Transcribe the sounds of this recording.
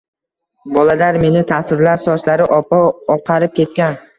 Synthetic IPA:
bɒlad̪aɾme̞nɪt̪ʰasɪɾlaɾsɒslaɾɪʔɒpʰɒːqʰɑɾɪp̚kʲʰe̞t̪̚kʲan

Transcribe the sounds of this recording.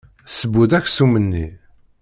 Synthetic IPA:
səbuðæçsumənːḭ

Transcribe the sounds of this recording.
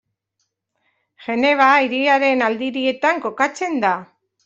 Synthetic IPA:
ʝe̞ne̞β̞aiɾiaɾe̞nald̪iɾie̞t̪aŋko̞kat͡se̞nd̪a

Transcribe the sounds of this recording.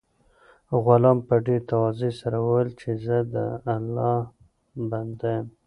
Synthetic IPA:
ɣʊlɑmpəɖeɾt̪awɑzesaɾawəwəlt͡ʃezəd̪ə̰alːɑh | band̪ajəm

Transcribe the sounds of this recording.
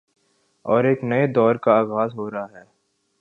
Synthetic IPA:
ɔːɾeːknɐed̪ɔːɾkaaːɣaːzɦoːɾaɦaɦɛː

